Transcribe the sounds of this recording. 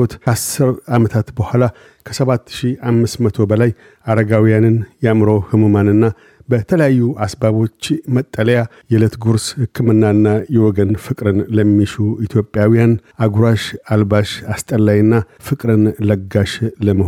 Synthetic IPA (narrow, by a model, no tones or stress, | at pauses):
ot̪asɨɾamət̪ʰat̪bəhʷala | kʰəsəβat̪ːʃiʔamːɨsmət̪ʰo̞bəlaj | aɾəɡawijanɨnjɛamɾo̞hɨmumanɨnːa | bət̪ʰələjajːuʔasbaβo̞t͡ʃːmət̪ʼːələja | jɛlət̪ɡuɾshɨkʰːɨmɨnːanːajɛwɔɡənfɨkʼɾɨnləmːiʃuit̪ʰjo̞pʼːjawijanaɡuɾaʃalbaʃast̪ʼəlːajɨnːa | fɨkʼɾɨnləɡaʃləməh